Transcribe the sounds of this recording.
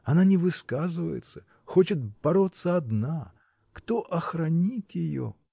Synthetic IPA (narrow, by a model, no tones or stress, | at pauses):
ɐnanʲɪvɨskazɨvə̰jɪ̰t̪sə̥ | xo̞t͡ɕɪt̪̚b̥ɐɾo̞t̪sːəɐd̪na | kt̪o̞ʔɐxɾɐnʲit̪ʲjɪjo̰